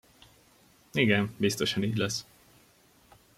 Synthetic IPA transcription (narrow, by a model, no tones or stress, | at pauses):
iɡɛmbist̪o̞ʃɒniːɟlɛs